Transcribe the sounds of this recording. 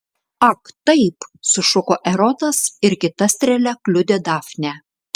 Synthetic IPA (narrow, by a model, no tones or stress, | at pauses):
ɐkt̪ɐɪpsʊʃʊkoːʔɛɾɔt̪ɐsɪɾkʲɪt̪ɐsʲt̪ʲɾʲɛlʲɛklʲʊd̪ʲed̪ɑfʲnʲɛ